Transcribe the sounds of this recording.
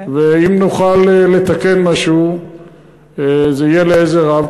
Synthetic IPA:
veimnuχalele̞t̪ake̞nmaʃu | zeijeleezeʁav

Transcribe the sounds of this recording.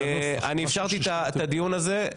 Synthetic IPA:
aniefʃaʁt̪it̪at̪ad̪ijunaze

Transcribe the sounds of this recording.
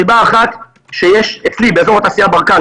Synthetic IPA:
ibaːχat̪ | ʃejeʃet͡slibeːzo̞ʁhat̪aːsijabaʁka

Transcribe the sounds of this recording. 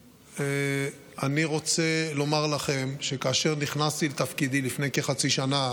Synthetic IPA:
e | aniʁo̞t͡selo̞maʁlaχe̞mʃe̞kaːʃe̞ʁniχnast̪ilet̪afkid̪ilifne̞jkeχat͡siʃana

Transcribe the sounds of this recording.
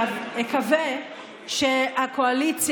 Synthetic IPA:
ekave | ʃeakʰoalit͡sj

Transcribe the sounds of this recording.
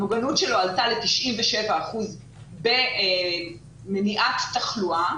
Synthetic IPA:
moɡanutʃelo̞altale̞tiʃʔimveʃe̞vaːχuz | be̞ | meniʔatːaχlua

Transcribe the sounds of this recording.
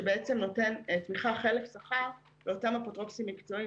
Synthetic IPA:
ebeet͡semno̞te̞ntmiχaχe̞lefsaχaʁ | beo̞tamapotʁo̞psimːikt͡so̞i

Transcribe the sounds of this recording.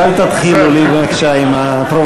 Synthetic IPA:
alt̪at̪χilulibeakʃaima | pɾo

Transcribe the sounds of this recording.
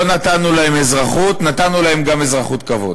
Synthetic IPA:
onat̪anulahemezʁaχut̪nat̪anulahe̞mɡame̞zʁaχut̪kavo̞̰d

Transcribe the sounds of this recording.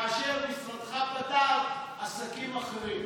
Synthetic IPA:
aʃeʁlisʁad̪χapat̪al | asakimaχeʁim

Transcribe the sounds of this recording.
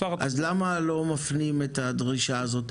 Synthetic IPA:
aʔazlamalo̞mafnimetadʁiʃaːzo̞t

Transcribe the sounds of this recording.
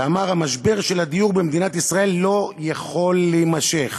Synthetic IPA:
amaʁhamaʃbe̞ʁʃelad̪ijuʁbemd̪inat̪isʁae̞lːo̞jaχo̞lːemaʃe̞χ

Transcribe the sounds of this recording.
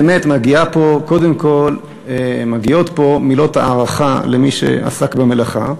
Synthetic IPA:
metmaɡiapo̞ko̞de̞mko̞l | emaɡio̞t̪po̞milo̞tha̰ːʁaχalemiʃḛa̰sakbemelaχa̰

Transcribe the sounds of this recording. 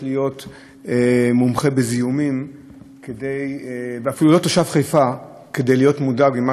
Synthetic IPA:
lijo̞t | mumχe̞bezijumim | kedejveafilulo̞toʃavχejfa | ke̞de̞jlijo̞tmudabima

